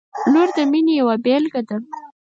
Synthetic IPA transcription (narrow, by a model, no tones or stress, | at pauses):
loɾd̪əminejawabelɡad̪a